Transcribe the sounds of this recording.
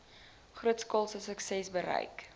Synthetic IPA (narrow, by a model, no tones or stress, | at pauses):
χruətskɔlˠsəsəksɛsbəɾə̰jk